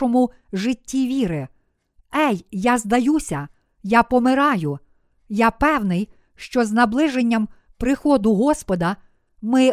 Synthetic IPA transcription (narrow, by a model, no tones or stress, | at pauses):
ɔmʊ | ʒɪtʲːiʋʲiɾɪ | ɛjːɑzd̪ɐjusʲɐ | jɑpɔmɪɾɑjʊ | japɛwnɪj | ʃt͡ʃɔznɐblˠɪʒenʲːɐm | pɾɪxɔd̪ʊɦɔspɔd̪ɐ | mɪ